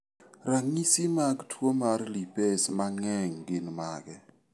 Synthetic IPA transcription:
raŋisimaɡtʰwomarlipesmaŋɛŋɡɪnmaɡɛ

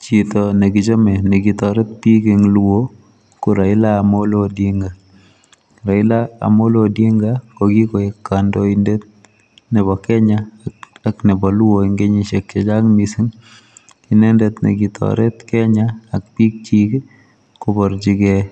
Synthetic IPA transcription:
t͡ʃitɔnekit͡ʃomɛnekitɔɾɛt̪̚pikeŋluwo | kuɾailaːmolodiŋɡa | ɾaɪlaa̰molodiŋɡakokikoekːandoindet̪̚ | nɛβɔkɛɲaaknebɔluwoiŋɡeɲiʃekt͡ʃɛt͡ʃakmisiŋ | kinendɛt̪nḛkitʰɔ̰ɾɛt̪kɛɲaak̚pik̚t͡ʃik | kobɔɾt͡ʃikɛ

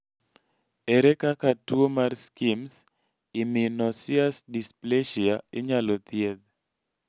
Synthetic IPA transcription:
eɾekakatuomarskims | iminoɔsiasdispleʃiaɪɲalɔt̪jeð

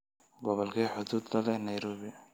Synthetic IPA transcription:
ɡɔβɔlkʰiːħʊd̪uːd̪lɐlɛnɐjɾɔːβɪ

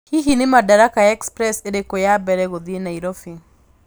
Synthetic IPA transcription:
hiɦinɪmadaɾakajɛkspɾɛseɾekojabɛɾɛɣoðienaiɾofiŋ

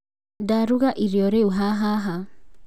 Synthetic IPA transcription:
daɾuɣaʔiɾjɔɾeuɦaɦaɦa

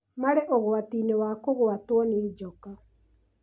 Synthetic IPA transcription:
maɾeʔoɣwatinewakoɣoatwɔneːd͡ʒɔka

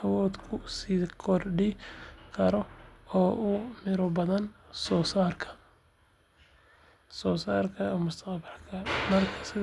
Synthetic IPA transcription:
ɐwɔːd̪kʰʊsiːkʰɔrɖikʰɐɾɔɔːʔʊmɪɾɔbɐðɐnsɔːsaːrkʰɐ̥ | sɔːsaːrkʰɐmʊst̪ʰɐqbɐlkʰɐmɐrkʰɐ̥sɪ

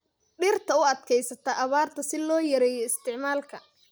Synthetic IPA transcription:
ɖɪrt̪ʰɐʊɐd̪kʰɛjsɐt̪ʰɐʔɐβaːrt̪ʰɐsɪlɔːjɐɾɛjɔɪst̪ʰɪʕmaːlkʰɐ

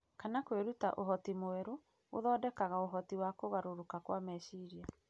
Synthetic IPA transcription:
kanakweɾuta̰ʔoɦɔtimoɛɾoː | ðɔːdɛkaɣaoɦɔtiwakoɣaɾoɾokakwamɛʃiɾia

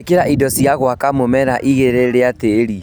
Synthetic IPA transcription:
keɾaʔidɔsiaɣwakamomɛɾaʔiɣeɾeɾeateɾi

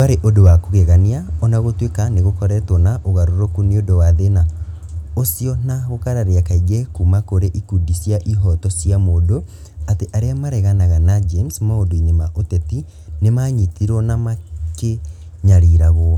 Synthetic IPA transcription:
aɾeʔodowakoɣeɣaniaɔnaɣotwekaneɣokɔɾɛtwɔnaʔoɣaɾoɾokuniodowaðena | osiɔnaɣokaɾaɾeakaiɣɛkumakoɾeʔikudisjaʔiɦɔtɔsjamodo | ateʔaɾeamaɾɛɣanaɣanad͡ʒemsmaodoiɲemaʔotɛti | nemaɲitiɾwɔnamake | ɲaɾiɾaɣɔ

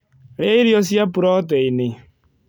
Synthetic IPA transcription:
ɾeiɾjɔs̬japuɾɔtɛine

